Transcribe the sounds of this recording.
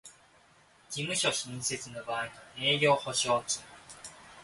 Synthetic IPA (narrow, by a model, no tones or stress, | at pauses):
ɡimɯ̟ɕo̞ɕĩɰ̃se̞t͡sɨnobaːiɲieːɡʲo̞ːho̞ɕo̞ːt͡ɕɨ